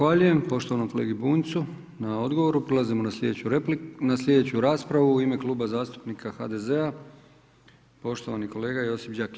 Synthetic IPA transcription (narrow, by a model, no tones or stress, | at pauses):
axʋaʎuje̞mpo̞ʃt̪o̞ʋanomkoleɡibuːnt̪su | nao̞d̪ɡo̞ʋo̞ɾupɾolˠazimonased̪eunaslʲʎe̞d̪e̞t͡ɕuɾaːspɾaʋuːime̞klˠuːbazaːst̪u̥pnikʰaxad̪e̞ze̞a | po̞ʃt̪o̞ʋaniko̞le̞ːɡaio̞sipd͡ʑaki̥